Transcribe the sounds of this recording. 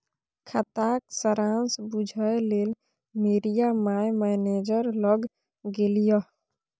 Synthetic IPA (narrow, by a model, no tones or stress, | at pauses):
kʰət̪ak̚səɾãnsbud͡ʒʱəelel | meɾijamajmɛned͡ʒəɾləɡ | ɡelijɔ